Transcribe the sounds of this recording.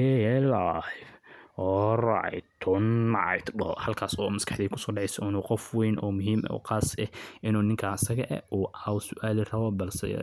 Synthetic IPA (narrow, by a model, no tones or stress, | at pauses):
hɛɛlajfɔrɑ̰ʕ̰jt̪ʰɔnmɑʕ̰jt̪bɔhɐlkʰaːsɔːmɐskʰɑħd̪iːkʰʊsɔːɖɛʕɛjsɔɪnuːqɔfwɛjnʔɔːmʊɦiːmʔɔ̰ːqɑːsɛhʔɪnuːnɪŋkʰɐsɐɣɐʔɛ̰ʔuːʔaːwsʊʔaːlirɐβɔbɐlsɛ̰